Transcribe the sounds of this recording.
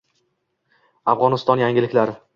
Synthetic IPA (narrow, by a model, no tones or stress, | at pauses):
afʁɒnɪst̪ɒnjaŋɡʲɪlɪkʲlaɾɪ